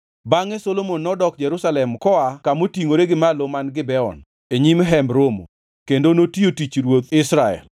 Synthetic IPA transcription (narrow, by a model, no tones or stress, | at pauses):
baŋɛsolomonːɔdɔk̚d͡ʒɛɾusalɛmkɔakamotiŋoɾeɡɪmalomanɡɪbɛɔ̰n | eɲimɦɛmbɾomo̰ | kendonotiotit͡ʃɾwot̪ɪsɾaɛ̰l